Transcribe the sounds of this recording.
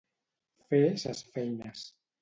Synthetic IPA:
feesasfɛjnas

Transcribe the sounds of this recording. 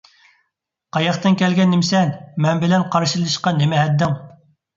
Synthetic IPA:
qɑjɑχt̪ɨnkʲɛlɡʲɛnːɪmsɛnmɛnbɪlɛnqʰɑɾʃilˠɨʃqɑnɪmɪɦɛd̪ːɪŋ

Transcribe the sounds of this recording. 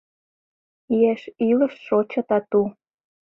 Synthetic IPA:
ieʃilɤ̆ʃʃot͡ɕɑt̪ɑt̪u

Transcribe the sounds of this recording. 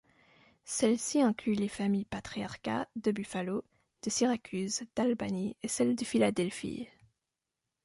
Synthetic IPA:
sɛlsiɛ̃klylefamijpat̪χiaʁka̰d̪əbyfalo | d̪̥əsiʁakʲʰyzd̪̥albaniesɛld̪əfilad̪ɛlfḭ

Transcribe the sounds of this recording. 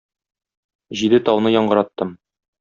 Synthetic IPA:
ʑid̪ɘt̪ɒwnɤjɒɴɢɤ̆ɾɑt̪ːɤm

